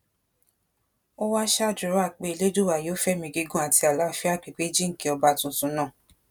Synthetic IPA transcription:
o˦wa˦ʃa˦˨d͡ʒu˨ɾo˨˦a˦˨k͡pe˧˦i˧le˦d͡ʒu˦wa˨je˨˦fɛ˦mĩ˧ɡi˧ɡũ˦a˨ti˧a˨la˨˦fi˦a˦˨k͡pi˨k͡pe˦d͡ʒĩ˦ŋ̩˨ki˧˦ɔ˧ba˧tũ˨tũ˨˦nã˦˨

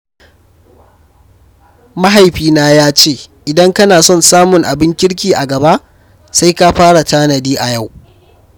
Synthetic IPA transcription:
ma˦ɦa˨jɸiː˦naː˦jaː˦t͡ʃeː˦˨ʔɪ˨dɐ˦ŋkɐ˦naː˨sɔ˦˨nsaː˦mʊ˨ŋʔa˨bɪ˦ŋkʲɪ˦ɽk̬ʲiː˨ʔa˨ɡɐ˨ba˦ʔ | sa˦jka˦ɸaː˦ɽa˨taː˦nɐ˨diː˦ʔa˨ja˦˨w

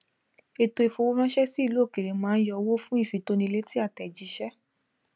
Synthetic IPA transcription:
e˧to˧e˧fo˧wo˦ɾã˦ʃɛ˦si˦˧lo˨˦˨ke˨ɾe˨mãː˨˦n̩˦jɔ˧wo˦fũ˦i˦˨fi˨˦to˦nĩ˧le˦ti˦a˦˨tɛ˨d͡ʒi˨˧˦ʃɛ˦

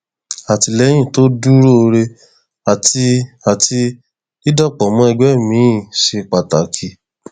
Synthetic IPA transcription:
a˨ti˧lɛ˨˦j̃ĩ˦˨to˦du˦ɾo˦˧ɾe˧ | a˨ti˧a˨ti˧ | i˦dɔ˦˨k͡pɔ˨mɔ̃˨˦ɛ˧ɡ͡bɛ˦mĩ˨˦˨ʃe˧k͡pa˨ta˨kʰi˨˦

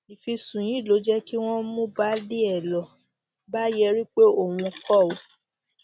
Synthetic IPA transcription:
i˨fi˧sũ˨j̃ĩ˨˦˨lo˨˦d͡ʒɛ˦ki˦w̃ɔ̃˦mũ˦ba˦di˦ɛ˦˨lɔ˨ | ba˦jɛ˧ɾi˦k͡pe˦o˦˨wũ˧kɔ˦˨o˨

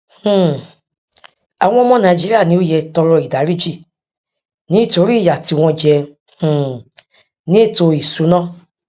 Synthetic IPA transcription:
h̩˨ | a˨w̃ɔ̃˧ɔ˧mɔ̃˧nã˨d͡ʒi˦ɾi˦a˦˨nĩ˧˦o˦jɛ˧tɔ˧ɾɔ˧i˨da˨˦ɾi˦d͡ʒi˦˨ | nĩ˦i˦˨to˨˧˦ɾi˦˨ja˨ti˧w̃ɔ̃˧d͡ʒɛ˧ | h̩˨ | nĩ˨˦e˦˨to˧i˨su˨˦nã˦

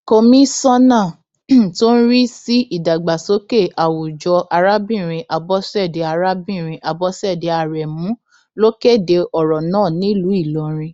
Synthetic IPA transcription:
ko˧mĩ˦sɔ̃˦nã˦˨ | to˦n̩˦ɾi˦si˦ʔi˦˨da˨ɡ͡ba˨so˨˦ke˦˨ʔa˨wu˨d͡ʒɔ˧ʔa˧ɾa˦bĩ˦˨ɾ̃ĩ˧ʔa˧bɔ˧˦sɛ˦˨de˨˧a˧ɾa˦bĩ˦˨ɾ̃ĩ˧ʔa˨bɔ˧sɛ˦˨de˧˦a˨ɾɛ˨mũ˨˦ | lo˦ke˦˨de˧ɔ˨ɾɔ˨nãː˦˨nĩ˦lu˨˦i˦˨lɔ˨˦ɾ̃ĩ˧

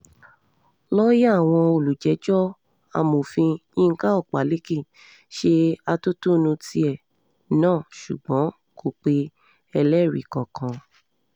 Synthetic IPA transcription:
lɔ˦ja˦˨w̃ɔ̃˧o˨lu˨d͡ʒɛ˨˦d͡ʒɔ˦ | a̰˧mo˨fĩ˧ĩ˦˧ŋ̩˦ka˦ɔ˦˨k͡pa˨˦le˦ki˦˨ | ʃe˧a˧to˦to˦˧nũ˧tʰi˧ɛ˨ | nãː˦˨ʃṵ˨ɡ͡bɔ̃˨˦ | kʰo˨k͡pe˧˦ | ɛ˧lɛ˦˨ɾḭ˨kɔ˨kʰã˧

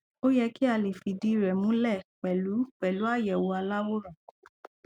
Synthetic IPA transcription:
o˦jɛ˧ki˦a˧le˨fi˨di˧ɾɛ˨mũ˨˦lɛ˦˨k͡pɛ˨lu˨˦k͡pɛ˨lu˨˦a˦˨jɛ˨wo˧a˧la˦wo˦ɾã˨

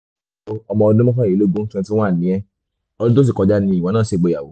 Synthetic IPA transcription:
o˦ɔ˧mɔ̃˧ɔ˧dũ˦mɔ̃˦kã˦˨i˨˦lo˦ɡũ˦n̩˦tũ˦˧˦ti˦w̃a˦˨nĩ˨˦ɛ˦ | ɔ˧lu˦o˦s̬i˦˨kɔ˧d͡ʒa˦nĩ˧˦i˨w̃ɔ̃˨˧nãː˦˨ʃe˧˨ɡ͡bo˨˧ja˨wo˨˦

